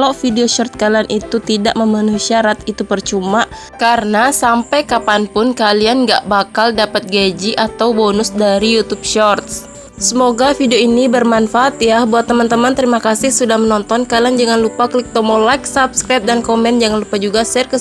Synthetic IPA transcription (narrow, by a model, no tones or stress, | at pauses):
lafideoʃɔrt̪̚kalanʔit̪ut̪idaʔməmanusiaɾat̪it̪upərt͡ʃuma | karənasampajkapanpʊnkalianɡa̰ʔbakaldapat̪̚ɡed͡ʒiʔat̪awbonʊsdaɾijut̪up̚ʃɔrt̪̚s | səmoɡafideoinibərmanfaʔat̪jahbuat̪ːəmant̪əmant̪əɾimakasɪhsudahmənɔnt̪ɔnkaland͡ʒəŋanlupakəlɪk̚t̪ɔmolak̚sapskɾajt̪̚dankomɛnd͡ʒaŋanlupad͡ʒuɡasɛrkə